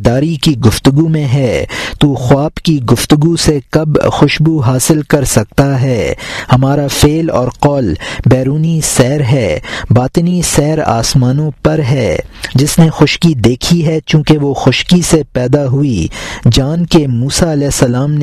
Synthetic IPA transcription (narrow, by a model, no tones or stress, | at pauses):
d̪aːɾikiɡʊft̪ʊɡumẽɦɛːt̪uxʊaːbkiɡʊft̪ʊɡusekɐbxʊʃbuɦaːsɪlkɐɾsɐk̚t̪aɦɛːhɐmaːɾafeːlɔ̰ːɾqɔːlbɛːɾuːnisɛːɾɦɛːbaːt̪ɪnisɛːɾa̰ːsmaːnõpɐɾɦɛːd͡ʒɪsnexʊʃkid̪eːkʰiɦɛt͡ʃjũːkeʋoxʊʃkisepɛːd̪aɦuid͡ʒaːnkemuːsaɐlɛːsɐlaːmn